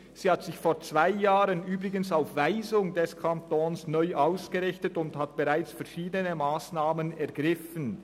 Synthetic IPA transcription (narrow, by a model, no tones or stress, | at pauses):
z̥iːhatz̥ɪçfoːt͡sv̥aɪjaːʁənyːbʁɪɡənsaʊfvaɪzʊŋdɛskʰantoːnsnɔʏʔaʊsɡ̥əʁɪçtətʊnthat̚b̥eʁaɪt͡sfɛɐʃiːdənəmaːsnaːmənɛɐɡʁɪfən